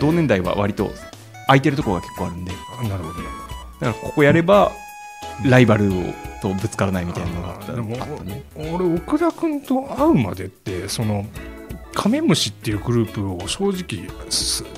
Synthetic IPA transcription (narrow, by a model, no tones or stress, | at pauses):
d̪̥o̞ːnẽ̞nd̪aiβa̰βa̰ɾʲit̪o̞̰ | ait̪e̞ɾɯ̟t̪okooɡakʰe̞kːoːaɾɯ̟̃nd̪e̞ | naɾɯ̟hod̪oned̪̥akaɾako̞ko̞jaɾe̞ba | ɾaibaɾɯ̟o̰t̪o̞bɯ̟t͡sɨ̥kaɾanaimʲit̪ainanoɡat̪ːa̰d̪emoat̪ːaneoɾeokɯ̟ɾakɯ̟̃nt̪o̞aɯ̟ma̰d̪e̞t̪ːe̞so̞no̞ | kʰame̞mɯ̟ɕit̪ːe̞jɯ̟ɡɯ̟ɾɯ̟ːpɯ̟oɕo̞ːʑikʲisɨ